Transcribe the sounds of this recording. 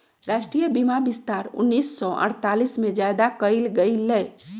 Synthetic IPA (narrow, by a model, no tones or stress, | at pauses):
ɾaːʃʈɾijəbimabɪst̪aːɾʊ̰nːiːsːɔʔə̰ɽ̤t̪alismẽd͡ʒajd̪akəilɡəiləj